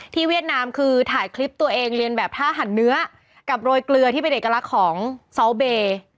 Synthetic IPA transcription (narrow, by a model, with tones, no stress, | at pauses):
t̪ʰiː˥˩wi˥˩ət̪̚naː˧mkʰɯː˧t̪ʰaː˩˦jkʰli˦˥p̚t̪u˧ɐʔeː˧ŋɾi˧ənbɛː˨˩p̚t̪ʰaː˥˩ɦa˩˦nːɯ˦˥ɐ | ka˨˩p̚ɾoː˧jklɯ˧ət̪ʰiː˥˩pe˧nʔeː˨˩kːa˧la˦˥kʰɔː˩˦ŋsɔ˦˥wbeː˧